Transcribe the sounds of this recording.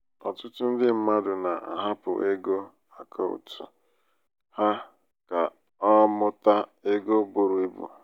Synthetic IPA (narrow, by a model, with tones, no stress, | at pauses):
ɔ̰˨tʊ˦tʊ˦n̩˦dɪ˦m̩˦ma˦dʊ˨na˨ʔa̰˨ɦa˦pʊ̰˨ʔe˦ɡo˦ | a˨kʰo˦ṵ˨tʊ̰˨ | ha˦ | ka˨ | ɔ˦mʊ˦ta˦e˦ɡo˦bʊ˨ɾʊ˨e˦bṵ˨